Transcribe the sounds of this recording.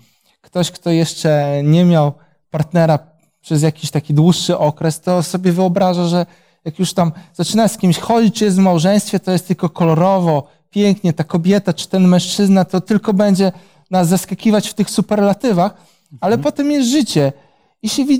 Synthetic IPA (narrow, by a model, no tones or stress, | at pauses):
kt̪ɔɕkt̪ɔjɛʂt͡ʂɛɲɛmʲjaw | paɾt̪nɛɾa | pʂɛzjakʲiɕt̪akʲid̪wuʂːɘʔɔkɾɛst̪ɔsɔbʲjɛvɘɔbɾaʐaʐɛ | jakjuʂt̪amz̥at͡ʂɘnaskʲimɕxɔd͡ʑit͡ɕt͡ʃjɛst̪vmawʐɛ̃j̃st̪fʲjɛt̪ɔjɛst̪ɘlkɔkɔlɔɾɔvɔ | pʲjɛŋkɲɛt̪akɔbʲjɛt̪at͡ʂɨ̥t̪ɛnmɛ̃ʂt͡ʂɘznat̪ɔt̪ɘlkɔbɛɲd͡ʑɛ | nazːaskakʲivat͡ɕft̪ɘxsupɛɾlat̪ɘvax | alɛpɔt̪ɛmjɛsʐɘt͡ɕɛ | iɕɛvʲi